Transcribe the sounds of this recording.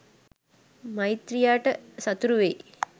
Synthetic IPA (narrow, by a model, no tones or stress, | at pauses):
mɐjit̪ɾijaːʈəsɐt̪uɾuʋe